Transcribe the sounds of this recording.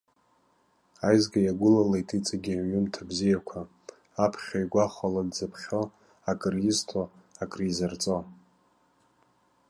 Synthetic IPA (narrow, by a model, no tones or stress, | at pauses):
ajzɡajaɡʷʊlalajtʼit͡sʼaɡʲiʕɥʊmtʰabzijakʷʰaː | pʰχʲajɡʷaχaladzapʰχʲo | akʼriztʰoakʼrizart͡sʼo